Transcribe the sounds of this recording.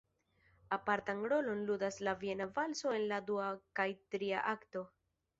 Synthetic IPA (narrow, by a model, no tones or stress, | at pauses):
apaɾtanɾo̞lo̞nludaslavie̞navalso̞e̞nladuakajtɾia̰ʔakto̞